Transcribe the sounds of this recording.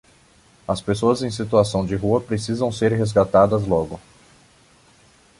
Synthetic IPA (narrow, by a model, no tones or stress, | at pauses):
ɐspesoɐzẽj̃sit̪uasɐ̃w̃d͡ʒɪɦuɐpɾesizɐ̃w̃seɾɦezɡat̪ad̪ɐzlɔɡʊ